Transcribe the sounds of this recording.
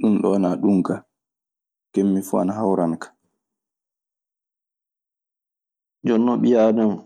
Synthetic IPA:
ɗumɗɔnaɗuŋka | kemːifua̰naɦawɾankḁ | d͡ʒɔnːɔɓijadɔm

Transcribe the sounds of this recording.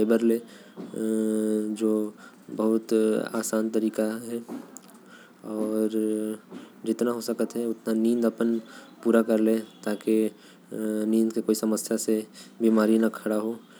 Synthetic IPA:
eːbəɾleː | d͡ʒoː | bɐɦʊt̪a̰ːsaːnt̪ɐɾiːkaɦɛ | ɔːɾ | d͡ʒɪt̪naɦosɐkət̪ɦɛʊt̪nanĩːnd̪ɐpənpuːɾakɐɾlẽt̪aːke | nĩːnd̪kekoːisɐməsjasebiːmaːɾinakʰɐɽaɦo

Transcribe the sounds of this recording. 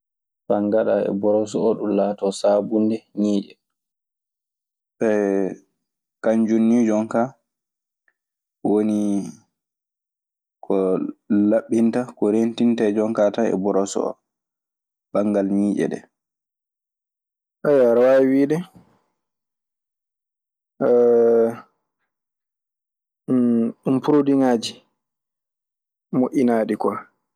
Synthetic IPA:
faŋɡaɗaɛ̰bɔɾɔs̬ɔɔɗumlaːtɔsabundɛɲiːd͡ʒɛ | ɓɛ | kaɲd͡ʒunːid͡ʒɔŋka | woni | kʰɔlaɓːintakɔɾentintad͡ʒɔŋkataɛ̰bɔɾɔsɔ̰ɔ̰ | b̥aŋɡalmiːd͡ʒɛ̰ɗɛ̰ | ʔajaɾawawiːɗɛ | umpuɾodiŋaːd͡ʒi | moʔinaːɗikɔ

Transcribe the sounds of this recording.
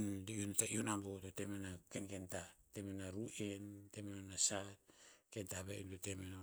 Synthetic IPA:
ndiuntaiunambototemenakenkentatemenaɾuʔentemenonasat̚ke̞ntaβḛintotemeno

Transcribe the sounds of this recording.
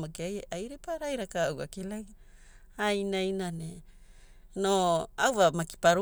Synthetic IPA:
makiaajɾepaɾajɾakaːwa̰kilaj | ajnajnane | noawvamaki̥paɾu

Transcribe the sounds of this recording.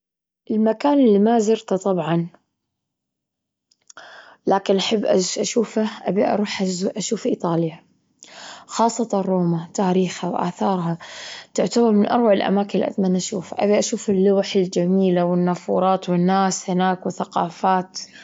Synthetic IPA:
ʔɪlmakaːnɪlːimazɪɾt̪at̪ˤɑbʕɑn | laːkɪnʔaħɪbːʔaʔaʃuːfaʔabiʔɑ̰ɾˤuːħʔaʔaʃuːfʔḭːt̪ˤɑːlja | xɑːsˤːɑt̪arˤːoːmat̪aːɾiːxhawʔa̰ːθɑːɾˤɦat̪ɪʕt̪abɑɾˤmɪnʔɑɾˤwaʕɪlʔa̰maːkɪnlʔa̰d̪manʔaʃuːfa̰ʔa̰biʔaʃuːfɪlːʊwħɪld͡ʒamiːlawɪnːafṵːɾˤɑːt̪wɪnːaːshɪnaːkwɪθaqɑːfaːt̪

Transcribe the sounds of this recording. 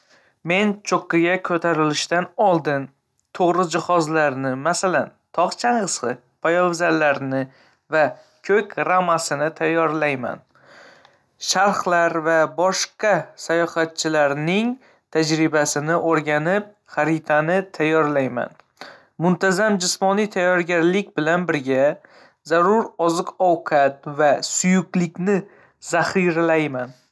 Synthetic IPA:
me̞nt͡ʃʰoqːɨɡʲakʰɵt̪ʰaɾɪlɪʃt̪anɒlˠd̪ɪn | t̪ʰoʁɾɪd͡ʒɪχɒzlaɾnɪmasalant̪ʰɒqt͡ʃʰaɴʁɨsqɨ | pʰajɒvzalːaɾnɪ | va | kʲʰɵkʲɾamːasɪnɪt̪ʰajːɒɾlajma̰n | ʃaɾχlaɾvabɒʃqɑsajɒhat̪̚t͡ʃʰɪlaɾnɪŋ | t̪ʰad͡ʒɾɪbasɪnɪʔoɾɡʲanɪp̚ | χaɾɪt̪ʰanɪt̪ʰajːɒɾlajma̰n | mʊnt̪ʰazamd͡ʒɪsmɒnijt̪ʰajːɒɾɡʲaɾlɪkʲbɪlanbɪɾɡʲa | zaɾʊɾɒzɨqɒwqʰɑt̪̚vasʊjʊqlɪkʲnɪ | z̥aχiɾalajman

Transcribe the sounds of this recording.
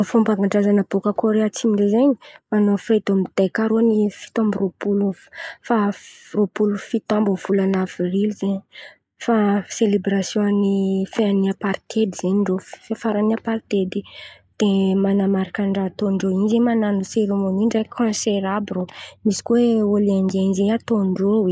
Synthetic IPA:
fombaŋɡaɳɖ͡ʐazanab̥okakoɾeat͡simiɳɖ͡ʐezeɲi̥manofret̪omid̪̥ajkaɾonifi̥t̪õmburopuluffaropulufit̪ãmbuv̥ulanav̥rilizeɲ | faselebɾasjɔ̃nifeaniapaɾt̪ʰed̪izeɲɳɖ͡ʐoffefaɾaniapaɾt̪ed̪i | d̪̥emanamaɾakaɳɖ͡ʐat̪oɳɖ͡ʐoinzemananuseɾemoniɳɖ͡ʐakʰɔ̃seɾabromisi̥kuweoliaŋenzeɲat̪oɳɖ͡ʐowe

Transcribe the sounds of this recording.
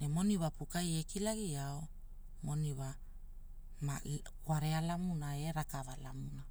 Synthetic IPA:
ne̞mo̞niwapukaje̞kilaɡiao | mo̞niwa | ma̰ | kwaɾe̞alamunae̞ɾakavalamuna

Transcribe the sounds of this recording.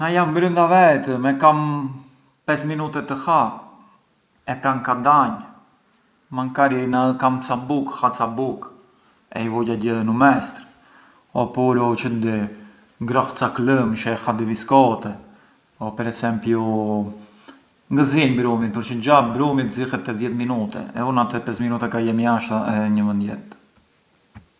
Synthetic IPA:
najambɾynd̪avɛt̪əmɛkam | pɛsminut̪ɛt̪əha | ɛpɾankad̪aɲ | maŋkaɾinakamt͡sabukhat͡sabuk | ɛ̰ivɔɟaɟəðnumɛst̪ɾ | ɔpuɾɔt͡ʃəd̪i | ŋɡɾɔxt͡sakləmʃɛxad̪ɛviskɔt̪ɛ | ɔpɛɾɛsɛmpju | ŋɡəziɲbɾumit̪̚pəɾt͡ʃəd͡ʑabɾumit̪zixɛt̪ːɛðjɛt̪minut̪ɛ̰ɛ̰unat̪ɛpɛsminut̪ɛkajɛmijaʃt̪aɛɲəmənd̪jɛt̪

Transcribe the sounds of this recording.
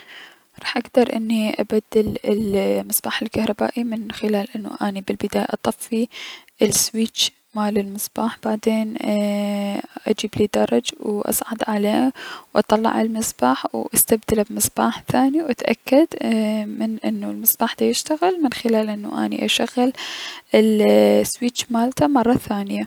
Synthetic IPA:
ɾˤɑːħʔaɡd̪ɑɾˤʔɪnːiʔabad̪ːɪlɪlmɪsbaːħɪlkahɾˤɑba̰ːʔimɪnxɪlaːlʔɪnːṵʔanibɪlbɪd̪aːja̰ʔɑt̪ˤɑfːiʔlswiːt͡ʃ | maːlɪlmɪsb̥aːħb̥aʕd̪eːn | ʔad͡ʒiːbliːd̪ɑɾˤɑd͡ʒwʔɑ̰sˤʕɑd̪ʕaleːwʔɑ̰t̪ˤɑlːɑ̰ʕʔɪlmɪsb̥aːħwʔast̪abd̪alabmɪsbaːħθaːniwʔat̪ʔa̰kːad̪mɪnʔɪnːulmɪsb̥aːħd̪ajɪʃt̪aɣɪlmɪnxɪlaːlʔɪnːa̰ʔa̰nḭʔaʃaɣɪlɪlswiːt͡ʃmaːlt̪amɑrˤːɑθaːnɪja

